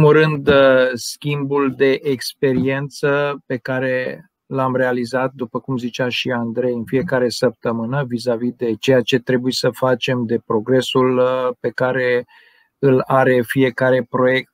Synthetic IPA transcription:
muɾɨnd̪skʲimbuld̪e̞ʔekspe̞ɾie̞nt̪səpe̞kaɾe̞ | lamɾe̞alizat̪̚d̪upəkumzit͡ʃaʃiand̪ɾe̞jɨnfije̞kaɾe̞səp̚t̪əmɨnəvizavid̪e̞t͡ʃe̞jat͡ʃe̞t̪ɾe̞bujesəfat͡ʃe̞md̪e̞pɾo̞ɡɾe̞sulpe̞kaɾe̞ | ɨlaɾe̞fije̞kaɾe̞pɾo̞je̞k̚t̪̚

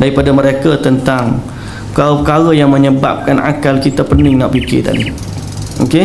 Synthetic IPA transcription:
daɾipadaməɾekat̪ənt̪aŋ | pəkalapəkaɣəjaŋmə̃ɲəba̰p̚kanʔa̰kalkit̪apənɪŋnɔʔ̚bikɪ̰t̪a̰dḭ | oke

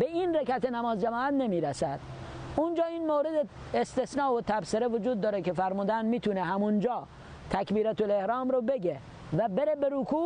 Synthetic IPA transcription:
beiːnɾekæt̪enæmɒːzd͡ʒæmɒːæt̪nemiːɾæsæd̪̥ | und͡ʒɒːiːnmoɾed̪e | est̪esnɒːot̪ʰæbseɾevod͡ʒuːd̪ːɒːɾekefæɾmuːd̪ænmiːt̪ʰuneɦæmund͡ʒɒː | t̪ʰækbiːɾæt̪ʰolehɾɒːmɾobeɡe | væbeɾebeɾukʰuː

